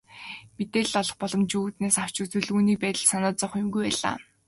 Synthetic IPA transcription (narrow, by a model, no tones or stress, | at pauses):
met̪eːɮ̆ɔɮɞ̆χpɔɮɞ̆mt͡ɕuut̪neːsaw̥t͡ɕut͡sɵ̆ɮuːniːpæːt̪ə̆ɮsanaːt͡sɔχjʊmɡujpæːɮa̰ː